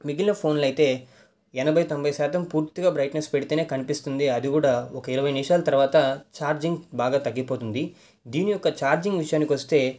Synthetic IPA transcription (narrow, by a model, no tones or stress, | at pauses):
miɡilɐpʰo̞ːnlɐjit̪e̞ː | ɛnɐbʱɐjt̪o̞mbʱɐjsaːt̪ɐmpuːɾt̪iɡaːbɾɐjʈnespeɽit̪eːne̞ːkɐnipist̪und̪iɐd̪iɡuːɽaːɔkɐiɾɐʋɐjnimʂaːlɐt̪ɐɾʋaːt̪ɐt͡ʃaːɾd͡ʒiŋɡbaːɡaːt̪ɐɡːipo̞ːt̪und̪i | d̪iːniɔkːɐt͡ʃaːɾd͡ʒiŋɡʋiʂɐjaːnikʋɐst̪e̞ː